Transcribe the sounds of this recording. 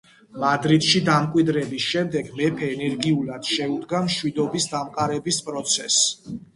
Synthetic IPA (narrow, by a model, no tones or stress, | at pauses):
mad̪ɾit̪ʃid̪amkʼwid̪ɾɛbisʃɛmd̪ɛɡmɛpʰɛːnɛɾɡiulad̪̥ʃɛud̪ɡamʃwid̪ɔbisd̪amqʼaɾɛbispʼɾɔt̪sʰɛs